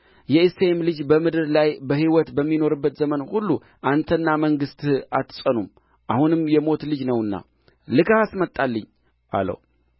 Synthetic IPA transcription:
jɛisemlɨd͡ʒbəmɨd̪ɨɾlajbəhiwɔt̪bəmːino̞ɾɨbːət̪zəmənhulːu | ʔant̪ʰənːaməŋɡɨst̪at̪ʰːɨ̥sʼənum | ʔahunɨmjɛmo̞t̪lɨd͡ʒnəwɨnːa̰ | lɨkʰahasmət̪ʼːalːəɲː | ʔa̰lə̰w

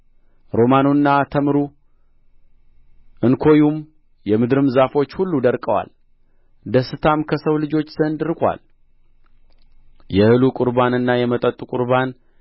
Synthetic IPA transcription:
ɾo̞manunːat̪ʰəmɾu | ʔɨnkʰo̞jum | jɛmɨd̪ɨɾɨmzafo̞t͡ʃːhulːud̪əɾkʼəwa̰l | d̪əsɨt̪ʰamkʰəsəwlɨd͡ʒo̞t͡ʃːz̥ənd̪ɨɾkʼʷa̰l | jɛhɨlukʼʊɾbanɨnːajɛmət̪ʼət̪ʼukʼʊɾban

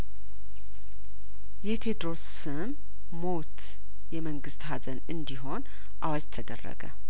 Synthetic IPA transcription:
jɛt̪ʰed̪ɾo̞s | ɨmː | o̞t̪ | jɛməŋɡɨst̪hazənɨnd̪iɦo̞n | ʔawad͡ʒt̪ʰəd̪ə̰rːə̰ɡə̰

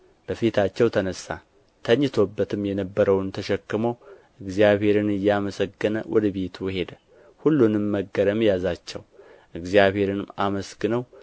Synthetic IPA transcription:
b̥əfit̪ʰat͡ʃːɛwt̪ʰənəsːa̰ | t̪ʰəɲːɨt̪ʰo̞bːət̪ʰɨmjɛnəbːəɾəwnt̪ʰəʃɛkːɨməwʔɨɡzijaβhe̞ɾɨnɨjːɛaməsəɡːənə̰wʔɔ̰d̪əβe̞t̪ʰuhe̞d̪ə | hulːunɨmːəɡːəɾəmjazat͡ʃːɛw | ʔɨɡzijaβhe̞ɾɨnɨmaməsɡɨnəw

